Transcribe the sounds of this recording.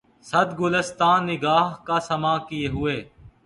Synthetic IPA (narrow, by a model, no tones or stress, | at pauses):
sɐd̪ɡʊləst̪aːnːɪɡaːɦkaːsɐmaːkieːɦʊeː